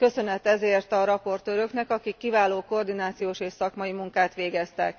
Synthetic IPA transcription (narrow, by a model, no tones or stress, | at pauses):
kø̞sø̞nɛt̪ɛzeːrt̪ɒɾɒpo̞rt̪øːɾø̞knɛkɒkikːivaːloːko̞rd̪inaːt̪sijoːʃeːʃsɒkmɒjimuŋkaːt̪ʋeːɡɛst̪ɛ̰k